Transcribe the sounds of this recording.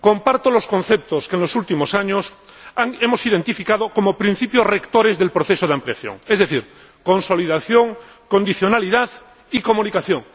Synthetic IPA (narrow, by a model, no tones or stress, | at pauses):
ko̞mpaɾt̪oloskon̟θep̚t̪oskenlosult̪imosaɲos | aŋemosiðe̞nt̪ifikað̞okomopɾin̟θipjorekt̪oɾezðe̞lpɾoθesoð̞eampliaθjo̰ŋezðeθiɾ | konsoliðaθjoŋ | kond̪iθjo̞naliðað | ikomũnikaθjoŋ